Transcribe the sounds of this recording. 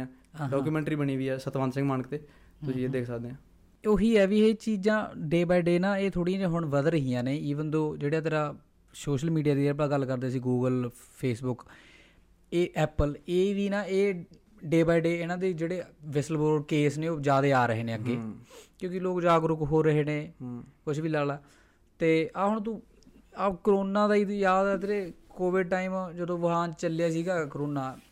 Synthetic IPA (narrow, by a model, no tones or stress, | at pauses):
ãː | ãːɖɔːkuːmɛ̃ːɳʈɾiːbəɳiːʋiːɛːsət̪ʋaːnsɪ̃ŋɡmaːnəkt̪eː | t̪ʊsĩeːd̪eːkʰsəkʰd̪eːãː | oːɦiːɛːʋiːeːt͡ʃiːd͡ʒãːɖeːbaːiɖeːnãːeːt̪ʰoːɽiãːd͡ʒãːɦʊɳʋəd̪ɾəɦijãːneːiːʋənd̪õːd͡ʒeːɽaːt̪eːɾaː | soːʃəlmiːɖijaːd̪iːɛplaːɡəlkəɾd̪eːsiːɡuːɡəl | pʰeːsbʊk | eːʔɛːpəleːd̪iːnãːeː | ɖeːbaːiɖeːɪnãːd̪eːd͡ʒeːɽeːʋɪsəlboːɾɖkeːsneːoːd͡ʒjaːd̪eːaːɾəɦeːneːəɡːeːkjõːkɪloːkd͡ʒaːɡɾʊkɦoːɾəɦeːnẽːkʊt͡ʃʰbiːlaːlaː | t̪eːʔaɦʊɳt̪̬ũː | akɾoːnaːd̪aːijaːd̪at̪ɾeːkoːʋɪɖ̚ʈaːiːmd͡ʒəd̪õːʋəɦãːt͡ʃəljaːsiːɡaːkəɾoːnaː